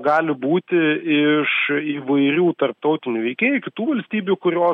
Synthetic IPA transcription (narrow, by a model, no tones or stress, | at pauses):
ɡɑːlʲɪbuːt̪ʲɪɪʃiːʋɐɪɾʲuːt̪ɐrp̚t̪ɐʊt̪ʲɪnʲuːʋʲɛɪkʲeːjukʲɪt̪uːʋɐlʲsʲt̪ʲiːbʲuːkʊɾʲoː